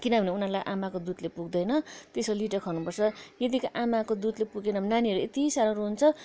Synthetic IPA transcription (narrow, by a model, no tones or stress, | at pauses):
kinʌbʱʌneunalajʔamakod̪ud̪lepuɡd̪ʌjnʌt̪esoliʈʌkʰʌnupʌrt͡sʰʌjʌd̪ikaʔamakod̪ud̪lepuɡenʌnaniɦʌɾuet̪isaɾʌɾuɦunt͡sʰʌ